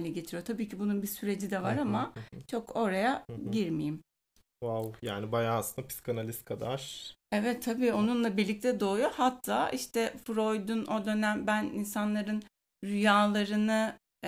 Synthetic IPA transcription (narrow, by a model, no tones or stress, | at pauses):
nʲɛɟe̞t̪ʰiɾijo̞t̪ʰabiːcʰibununbisyɾe̞d͡ʒid̪ɛvaɾamat͡ʃʰo̞kʰo̞ɾajaɟiɾmijim | vawjaːnibajaːslɯnd̪apʰi̥skʰanalʲiskʰad̪aɾ̥ɛvɛt̪ʰːabiːo̞nunlˠabiɾlʲic̚t̪ʰɛd̪o̞ːjohat̪ʰːaːʔiʃt̪ʰɛfɾo̞jd̪unʔo̞d̪ø̞næmbæninsanlˠaɾɯn | ɾyjaːlˠaɾɯnɯ